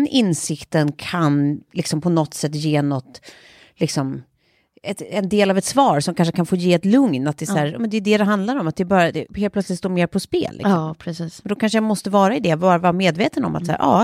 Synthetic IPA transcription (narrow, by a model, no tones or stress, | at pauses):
nʔɪnsɪkt̪ənkʰanlɪksɔmpʰɔnɔt̪ːsɛt̪ːjeːnɔt̪ | lɪksɔm | ɛt̪ɛnd̪eːlavɛt̪svɑːɾsɔmkʰanʂəkʰanfoːjeːɛt̪lɵŋnat̪̚d̪ɛsæːɾjɑ̰ːmɛnd̪ɛjʏd̪ɛd̪ɛɦand̪laɾɔmat̪̚d̪ɛːbɑːɾad̪ɛheːlplœtslɪt̪st̪oːɾmeːɾpʰɔspḛːlːʔɪ̰sɔɾɛsiːsɛnd̪ɔkʰanʂ̬əjamɔst̪əvɑːɾaɪd̪ɛvɑːɾavɑɾmeːd̪veːt̪ənɔ̰mat̪sæ̰ːɾʔɑ̰ː